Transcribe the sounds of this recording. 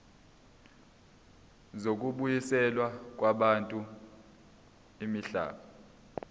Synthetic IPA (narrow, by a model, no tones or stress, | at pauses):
zok̬ʼuɓujisɛlwak̬ʼwaɓantʼu | imiɬa̰ːɓa